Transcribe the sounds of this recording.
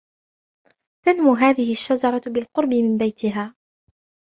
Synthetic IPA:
t̪anmʊɦaːðɪhɪaʃːad͡ʒɑɾˤɑbɪlqʊɾˤbɪmɪmbajt̪ɪɦaː

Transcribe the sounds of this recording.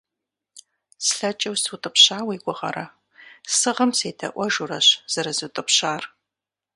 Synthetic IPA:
sɬɐt͡ʃʼɐwsɨwtʼɨpɕaːwiːɡʷʊʁɐ̰ɾɐ | sɨʁɐmseːdʰɐ̰ʔʷɐʒuɾɐɕz̥ɐɾɨzɨtʼɨpɕaːr

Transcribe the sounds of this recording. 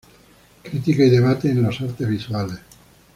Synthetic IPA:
kɾit̪ikaid̪eβat̪ːiːnlosart̪eviswale

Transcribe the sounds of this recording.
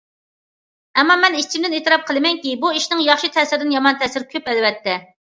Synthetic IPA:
ɛmːɑmɛnit͡ʃʰimd̪ɪneːt̪ɾɑp̚qʰəlˠɨmɛŋkʲibuiʃnɪŋjɑχʃit̪ʰɛsɪɾɪd̪ɪnjɑmɑnt̪ʰɛsɪɾkʲʰøpɛlwɛt̪ʰːɛ

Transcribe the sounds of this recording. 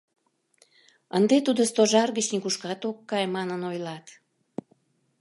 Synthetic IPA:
ənd̪et̪ud̪ost̪oʒɑrɣət͡ɕnikuʃkɑt̪okːɑjmɑnənojlɑt̪

